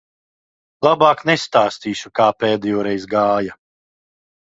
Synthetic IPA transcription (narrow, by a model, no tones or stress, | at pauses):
lˠabaːknɛst̪aːst̪iːʃukaːpɛːd̪ɛjɔːɾɛjzɡaːja